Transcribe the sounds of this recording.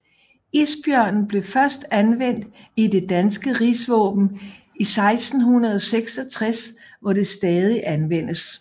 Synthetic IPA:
isb̥jœɐ̰nn̩b̥le̝fɶɐsd̥ænʋen̰d̥ | ide̝d̥ænsɡ̥əʁisʋɔ̰̽ːb̥n̩ | isɑ̈ɪsd̥n̩hunɐð̞ˠɒ̽seɡ̥sɒ̽t͡sʰʁas | ʋɒd̥e̝sd̥ɛːð̞ˠiʔænʋen̰əs

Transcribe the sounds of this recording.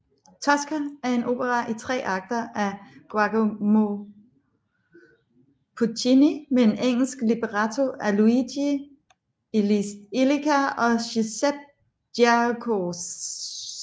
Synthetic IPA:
t͡sʰɒ̽sɡ̥ææɐe̝nʔo̝b̥əʁɑ̈ʔit͡sʰʁɛ̰ːʔɑ̈ɡ̥̚d̥ɐʔæɡ̥wɑ̈ɡ̥omo | pʰut͡sʰinimeeneŋ̰l̩sɡ̥lib̥eʁɑt͡sʰoæluidi | elikʰæɒ̽ɕiseb̥̚ | d̥akʰos

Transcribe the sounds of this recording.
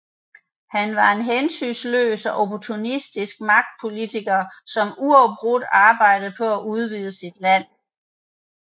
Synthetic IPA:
hænʋɑ̈e̝nɦensy̰nslø̰ːsɒʔopʰɒt͡sʰunisd̥isɡ̥̚mɑ̈ɡ̥̚d̥̚pʰo̝lit͡sʰiɡ̥ɐːsɒ̽muɒʊb̥ʁud̥ɑ̈ːb̥ɑ̈ɪ̰d̥ð̩ˠpʰɒ̽æʔuð̞ˠʋiːð̞̩ˠəsid̥læn̰

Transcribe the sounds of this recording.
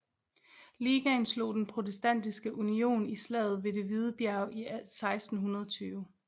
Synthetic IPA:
liːɡ̥ænslo̝̰ːd̥enpʰʁo̝t͡sʰesd̥æn̰d̥isɡ̥əʔunio̝̰ːnislɛ̰ːð̞̩ˠʋe̝de̝ʋið̞ˠəb̥jæɐʊisɑ̈ɪsd̥n̩ɦunɐð̞ˠɒt͡sʰyːʊ

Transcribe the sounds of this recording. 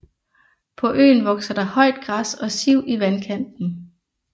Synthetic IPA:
pʰɒ̽ʔø̰ːnʋɒ̽ɡ̥sɐɾ̥ɑ̈hɒ̽ɪ̰d̥ɡ̥ʁasɒ̽siʊ̰iʋænkʰæn̰d̥n̩

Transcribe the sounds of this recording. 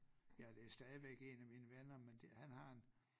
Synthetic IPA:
jæd̥e̝æsd̥ɛːð̞ˠiʋeɡ̥e̝næminəʋenɐmend̥ehænhɑ̈e̝n

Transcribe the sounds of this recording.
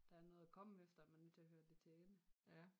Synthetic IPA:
d̥ɑ̈æɐnɔ̽ːð̩ˠækʰɒ̽məefd̥ɐæmænːøt͡sʰe̝ɐɦøːɐd̥e̝t͡sʰɛːnə

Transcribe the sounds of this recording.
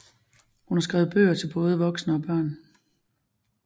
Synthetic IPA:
hunhɑ̈sɡ̥ʁɛ̰ːʊð̞̩ˠb̥ø̰ːɐt͡sʰe̝lb̥ɔ̽ːð̞ˠəʋɒ̽ɡ̥snəɒ̽b̥ɶɐ̰n

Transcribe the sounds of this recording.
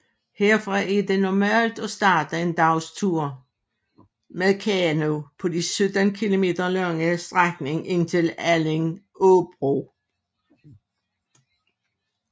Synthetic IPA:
heɐfʁɑʔæɐd̥e̝nɒmæ̰ːld̥ɒ̽sd̥ɑ̈ːd̥əe̝nd̥ɑ̈ʊst͡sʰuɐ̰ | meðˠkʰæno̝pʰɒ̽d̥isød̥ənkʰilo̝me̝̰ːd̥ʁɐlɑŋəsd̥ʁaɡ̥ne̝ŋe̝nt͡sʰe̝læleŋob̥ʁo

